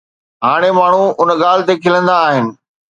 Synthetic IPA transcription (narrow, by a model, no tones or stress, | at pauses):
ɦaːɽ̃emaːɳ̤uʊnɠaːlɪt̪ekʰɪlə̃nd̪aːɦɪnɪ̆